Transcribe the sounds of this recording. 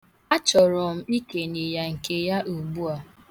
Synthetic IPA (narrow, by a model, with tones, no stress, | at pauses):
a˦t͡ʃɔ˨ɾɔ˨m̩˦i˦ke˨ne˨ja˨ŋ̩˨ke˦˨ja˦ʔu˨bu˦a˨